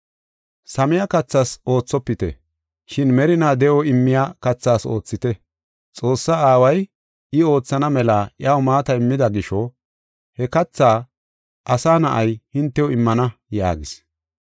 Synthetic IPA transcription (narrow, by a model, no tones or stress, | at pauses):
sɐmɪjakɐt͡sːaso̞ːt͡sːɔpːɪt̪ɛ̰ | ʃɪnmɛɾɪnaːd̪ɛʔɔɪmːɪjakɐt͡sːaːso̞̰ːt͡sːɪt̪ɛ | t͡sʼo̞ːsːɐaːwɐj | ɪo̞ːt͡sːɐnɐmɛlaːʔjɪaːwmaːt̪ɐɪmːɪd̪ɐɡɪʃɔ | hɛkɐt͡sːaː | ʔɐsaːnɐʔɐjhɪnt̪ːɛjɔɪmːɐnɐja̰ːɡɪs